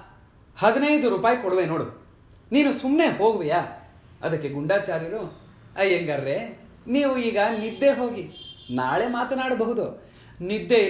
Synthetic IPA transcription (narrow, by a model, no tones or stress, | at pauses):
hɐd̪inɐjd̪uɾuːpaːjkɔɽʋeno̞ːɽu | niːnusumne̞ɦo̞ːɡuʋejaː | ɐ̰d̪ɐkːe̞ɡuɳɖaːt͡ʃaːɾjiɾu | ɐjeŋɡɐɾːe | niːʋuiːɡɐnid̪ːeɦo̞ːɡinaːɭe̞ːmaːt̪ɐnaːɽɐbɐɦud̪u | nid̪ːe